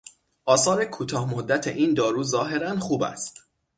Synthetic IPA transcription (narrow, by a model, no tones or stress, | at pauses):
ʔɒːsɒːɾekʰuːt̪ʰɒːhmod̪ːæt̪ʰḛʔiːnd̪ɒːɾuːzɒːɦe̞ɾænχuːbæ̰st̪